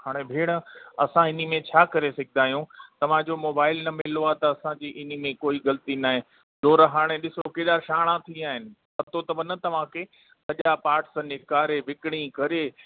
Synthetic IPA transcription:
haːɽ̃ebʱeːɽ̃əɐsãɪnimẽt͡ɕʰaːkɐɾesɐɡʱɪnaːɦjũt̪ɐʋ̤ãd͡ʑomoːbaːɪlnɐmɪloat̪ɐɐsãd͡ʑiːʔɪnimẽkoːiɣɐlt̪inaːɦẽ | d͡ʒoːɾɐɦaːɽ̃eɗɪsokeːɗ̪aːɾʃaːɽ̃ãt̪ʰĩaːɦɪnɪ̆pɐt̪ot̪ɐʋɐnɐt̪ɐʋ̤ãkʰe | sɐʄapaːɾʈsnɪkaːɾeʋɪkɪɽ̃ĩkɐɾeː

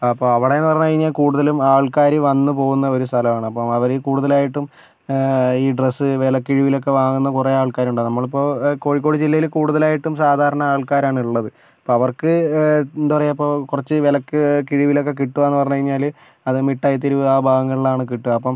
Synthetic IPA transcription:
ɐpːoɐʋiɽeenːɨpɐrɐɲːukɐɻiɲːaːlkuːɽuðɐlumaːɭkaːɾiʋɐnːɨpo̞ːɣunːɐo̞ɾust̪ʰɐlɐmaːɳɨɐpːɐmɐʋɐɾekuːɽuðɐlaːjiʈːum | iːɖresːɨʋelɐkːiɻiʋilo̞k̬ːe̞ʋaːŋunːɐkureaːɭkaːɾuɳɖɐnɐmːɐɭipːo̞ːko̞ːɻik̬ːo̞ːɽid͡ʑilːɐjilkuːɽuðɐlaːjiʈːumsaːd̪ʱaːɾɐɳɐaːɭkaːɾaːɳiɭːɐðɨ | ɐpːoːɐʋɐrkɨnd̪upɐrɐjɐpːo̞ːkurɐt͡ɕːɨʋelɐkːɨkiɻiʋilo̞kːe̞k̬iʈːuʋɐenːɨpɐrɐɲːukɐɻiɲːaːl | ɐðɨmiʈːaːjɐt̪̬ːiɾuaːbʱaːɣɐŋːɐɭiɭaːɳɨkiʈːuɐpːɐm

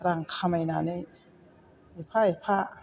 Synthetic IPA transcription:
ɾaŋkʰamajnane | epʰaepʰaʔ

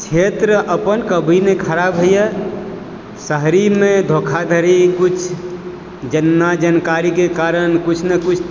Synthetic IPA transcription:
t͡ʃʰet̪ɾəʔəpənkəbʱinekʰəɾabɦəjə | səɦɾimed̪ʱokʰad̪ʱəɾikut͡ʃʰ | d͡ʒənːad͡ʒənkaɾikekaɾənkut͡ʃʰnekut͡ʃʰ

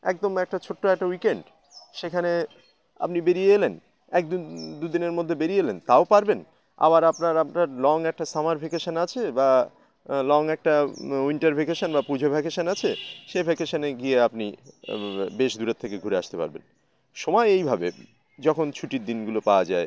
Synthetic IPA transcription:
ɛ̰k̚d̪omɛk̚ʈat͡ɕʰoʈːoɛk̚ʈawikeɳɖ | ʃekʰane | a̰pnibeɾieelen | ɛk̚d̪ud̪ud̪ineɾmod̪ʱːebeɾijelent̪aopaɾben | a̰baɾapnaɾapnaɾlɔŋɛk̚ʈasamaɾbʱikeʃanat͡ɕʰeba | lɔŋɛk̚ʈaiɳʈaɾbʱikeʃonbapud͡ʑʱobʱɛkeʃanat͡ɕʰeʃebʱɛkeʃaneɡieapni | beʃd̪uɾet̪ʰːekeɡʱuɾea̰ʃt̪epa̰ɾbḛn | ʃɔmɔeejbʱabḛ | d͡ʑɔkʰont͡ɕʰuʈiɾd̪inɡulopaoad͡ʑae

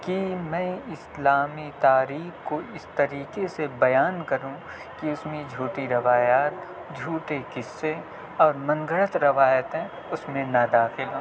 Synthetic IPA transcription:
kimɛ̃ːɪslaːmit̪aːɾiːxkoɪst̪ɐɾiːkesebɐjaːnkɐɾũ | kiʊsmẽd͡ʒʱuːʈiɾɐʋaːjaːt̪̚ | d͡ʒʱuːʈekɪsːe | ɔːɾmɐ̃ŋɡəɾət̪ɾɐʋaːjət̪ɛ̃ | ʊsmẽnɐd̪aːxɪlɦoː

